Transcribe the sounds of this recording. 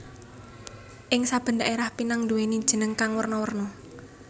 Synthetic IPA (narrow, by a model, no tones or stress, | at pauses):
ʔɪŋsab̥ə̤ndaʔeɾahpinaŋd̪uweni̥ʒ̥ə̤nəŋkaŋwərnɔwərnɔ